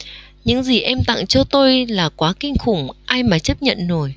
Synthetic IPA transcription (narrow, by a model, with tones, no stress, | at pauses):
ɲɨ̰˧˥ŋzi˨˩ʔɛ˧mt̪a̰˧˨ŋt͡ɕɔ˧t̪o˧jlaː˨˩kwaː˨˦kï˧ŋ̟xʊ˨˩ŋ͡mʔaː˧jmaː˨˩t͡ɕə˦˥p̚ɲə̰˧˨nzo˨˩j